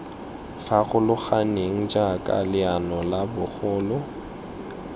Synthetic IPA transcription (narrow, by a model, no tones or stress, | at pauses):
faɣʊlʊχaneŋ̩d͡ʒakʼa̰lɪanɔlabʊχʊːlʊ